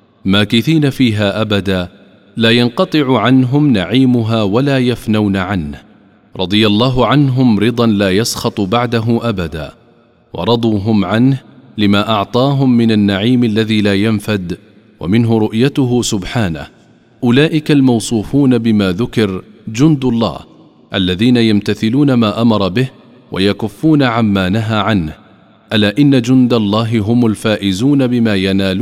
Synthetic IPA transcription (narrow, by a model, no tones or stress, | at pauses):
maːkɪθiːnafiːɦaːʔabad̪aː | laːjɑnqɑt̪ˤɨʕʊʕanɦʊmnaʕiːmʊɦaːwalaːjafnawnaʕanh | ɾˤɑd̪ˤɨjalˤːɑːɦʊʕanɦʊmɾɨd̪ˤɑnlaːjɑsxɑt̪ˤbaʕd̪aɦʊmʔabad̪a̰ː | wɑ̰ɾˤɑd̪ˤuːɦʊmʕanhlɪmaːʔɑʕt̪ˤɑːɦʊmːɪnanːaʕiːmalːaðiːlaːjanfad̪ | wa̰mɪnɦʊɾʊʔjat̪ʊɦʊsʊbħaːna̰h | ʔʊlaːʔɪkalmɑwsˤuːfuːnabɪmaːðʊkɪɾd͡ʒʊnd̪alˤːɑ̰ːh | ʔalːaðiːnajamt̪aθɪluːnamaːʔamɑɾˤɑbɪh | wʔa̰jakʊfːuːnaʕamːaːnaɦaːʕanh | ʔalaːʔɪnːad͡ʒʊnd̪alˤːɑːɦɪɦʊmʊlfaːʔɪzuːnabɪmaːjanaːlu